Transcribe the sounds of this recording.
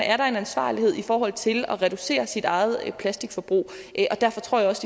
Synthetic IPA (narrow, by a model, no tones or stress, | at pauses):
ʔæɐɾɑ̈e̝nænsʋɑ̰̈ːlihe̝ð̰ˠifɒːɦɒ̽l̰ˠt͡sʰe̝lɒ̽ʁɛd̥ɾ̥use̝̰ːɐsid̥ɑ̈ɪð̞̩ˠpʰlæsd̥iɡ̥fɒ̽b̥ʁṵː | ʔɒ̽d̥æɐfɒ̽t͡sʰʁo̰jaɒ̽si